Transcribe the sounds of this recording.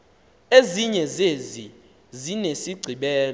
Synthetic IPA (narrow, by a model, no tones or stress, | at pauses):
eziɲɛzezi | zinesiɡ͡ǀʱiɓɛːl